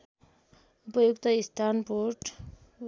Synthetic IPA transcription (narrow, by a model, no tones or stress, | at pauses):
upʌjukt̪ʌist̪ʰanpoʈ